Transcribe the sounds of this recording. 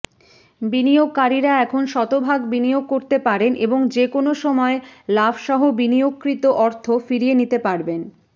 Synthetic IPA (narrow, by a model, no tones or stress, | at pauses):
binijoɡ̚kaɾiɾaɛkʰonʃɔt̪obʱaɡbinijoɡ̚koɾt̪epaɾenʔeboŋd͡ʑekonoʃɔmɔelabʃɔɦobinijokːɾit̪oʔɔɾt̪ʰofiɾienit̪epaɾben